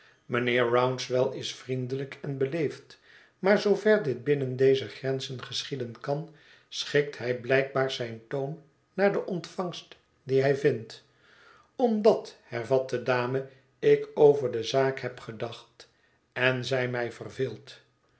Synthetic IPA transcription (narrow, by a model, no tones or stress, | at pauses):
mənɪːɹɹawnsʋɛlˠɪsfrindələkʰɛnbəlejft | maːɹzowvɛɹdɪd̚bɪnəndejzəχrɛnzənχəsχidənkɑn | sχɪk̚tɦɛjblɛjk̚baːɹzɛjntownː | aːɹdəʔɔntfɑŋst | diɦɛjvɪnt | ɔmdɑthɛɹvɑt̚dədaːmə | ɪkowvəɹdəzaːkhɛpχədɑχt | ɛnzɛjmɛjvərvɪːlˠt